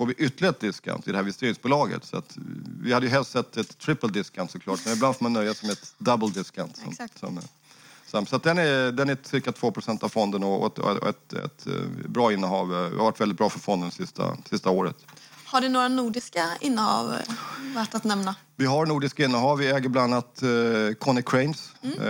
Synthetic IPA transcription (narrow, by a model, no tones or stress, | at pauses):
fɔːɾvɪʔʏt̪ːəlɪɡad̪ɪska̰nt̪ɪd̪ɛhæɾɪɪst̪eːɾɪŋsbuːlɑːɡə̰t̪sɔa̰t̪vɪhad̪ːəjɵɦɛlst̪sɛt̪ːɛt̪ʰːɾɪpːəld̪ɪskant̪sɔklɑːʈmɛnɪb̪and̪foːmanːœjːasɔmɛt̪d̪abəld̪ɪska̰nt̪sɔ̰msɔ̰m̰ | samsɔat̪̚d̪ɛnæd̪ɛnæt̪sɪɾkat̪ʰv̥oːpʰɾʊsɛnt̪avfɔnd̪ənɔɔ̰ɛ̰t̪ɛ̰t̪bɾɑːɪnːəɦɑːvvɪ̰haɾvaʈːvɛldɪt̪̚bɾɑːfœɾfɔnd̪ənsɪst̪a̰sɪst̪aoːɾə̰t̪haɖɵnoːɾanuːɖɪskaɪnːəhɑ̰ːvvæʈːat̪nɛmna | vɪɦaɾnuːɖɪskaɪnːəɦɑːvvɪɛːɡəɾblaanːat̪kʰɔnɪkʰɾɛɪns